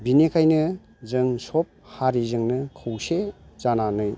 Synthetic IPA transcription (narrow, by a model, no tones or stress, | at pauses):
binekʰajnɯ | zɯŋsɔp̚haɾizɯŋnɯkʰɯwse | zananɯj